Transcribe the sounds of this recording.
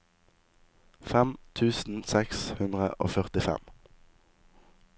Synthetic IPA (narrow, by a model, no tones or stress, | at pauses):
fɛmt̪ʰʉːsn̩sɛkshʉnd̪ʁə̰ʔo̰ːfœʁt̪ɪfɛ̰m